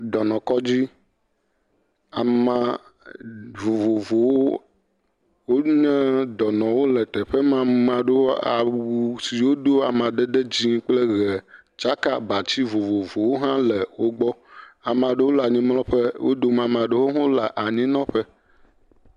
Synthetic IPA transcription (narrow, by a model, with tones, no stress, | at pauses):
d̪ɔ˨nɔ̃˨kɔ˦d͡ʑi˦ | a˨mã˨ | vo˨vo˨vo˨woo˦ | wo˦ɲɛ̃˦d̪ɔ˨nɔ̃˨wo˦lɛ˨t̪ɛ˨ɸɛ˦mã˨mã˨ɖo˦a̰˨wu˨si˨wo˦d̪o˦a˨mã˨ɖ̪ɛ˦d̪ɛ˦d͡ʑĩ˦k͡plɛ˦ɣɛ˨ | t͡ʃa˦ka̰˨ba˨t͡ɕi˦vo˨vo˨vo˨wo˦ɦã˦lɛ˨wo˦ɡ͡bɔ˦a˨m˨ã˨ɖe˦wo˦la˨ɲĩ˦mlɔ̃˦ɸɛ˦wo̰˦d̪o˦mã˨mã˨ɖe˦wo˦ɦɔ̃˦la˨ʔa˨ɲĩ˦nɔ̃˦ɸɛ˦